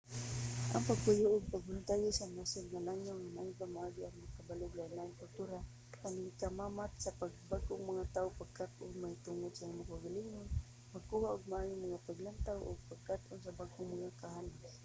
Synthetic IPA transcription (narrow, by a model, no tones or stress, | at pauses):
ʔa̰ŋpaɡ̚pʊjʊʔʊɡ̚paɡ̚bʊnt̪ajʊsamasʊnŋalaŋaŋamaibamaʔaɡiʔaŋmakabalʊɡanaɪnkʊlt̪uɾa | kanɪkamamat̪̚sapaɡ̚baɡʊŋmaŋat̪aʊpaɡ̚kat̪̚ʔʊŋmajt̪ʊŋʊd̪saimʊkaɡaliŋʊn | maɡkuhaʔʊɡ̚maajʊmaŋapaɡlant̪awʔʊ̰ɡ̚paɡ̚kat̪ʔʊnsabaɡʊŋmaŋakaɦan